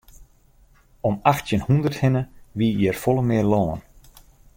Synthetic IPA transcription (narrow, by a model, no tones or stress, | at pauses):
ɔmaxtjənhundərthɪnəʋijərfɔlˠəmɪərloːn